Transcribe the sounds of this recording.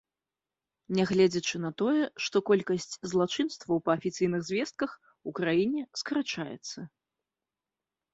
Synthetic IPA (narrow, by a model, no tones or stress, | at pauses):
nʲɛɣlʲɛd͡zʲɐt͡ʂɨnɐt̪ɔjɛʂt̪ɔkɔlʲkɐsʲt͡sʲzlˠat͡ʂɨnst̪vɐwpɐːfʲit̪sɨjnɨɣzʲvʲɛst̪̚kɐx | ukɾajinʲɛskɐɾat͡ʂajɛ̰t̪sːɐ